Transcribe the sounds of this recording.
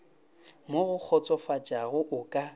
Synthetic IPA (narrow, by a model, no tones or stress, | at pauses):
moɣʊk͡xʰɔt͡sʼɔfat͡ʃʼaɣʊʔʊkʼa